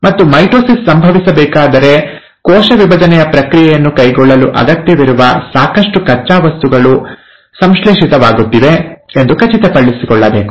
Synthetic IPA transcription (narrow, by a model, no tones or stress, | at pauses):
mɐt̪ːumɐjʈoːsissɐmbʱɐʋisɐbɛːkaːd̪ɐɾe̞ | kɔːʃɐʋibɐd͡ʒɐnɛjɐpɾɐkɾijɛjɐnːukɐjɡɔɭːɐluʔɐ̰ɡɐt̪jɐʋiɾuʋɐsaːkɐʂʈukɐt͡ʃːaːʋɐst̪uɡɐɭu | sɐmʃɭeːʂit̪ɐʋaːɡut̪ːiʋe̞end̪ukɐt͡ʃit̪ɐpɐɭːisikɔɭːɐbeːku̥